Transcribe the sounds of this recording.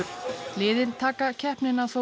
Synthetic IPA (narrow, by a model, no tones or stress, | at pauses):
lɪːðɪnt̪ʰaːkacʰɛhpnɪnaθoː